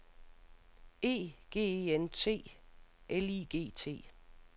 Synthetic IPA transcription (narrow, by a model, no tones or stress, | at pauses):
e̝̰ːɡ̥e̝̰ːeent͡sʰe̝̰ːʔeliːɡ̥e̝̰ːt͡sʰe̝̰ː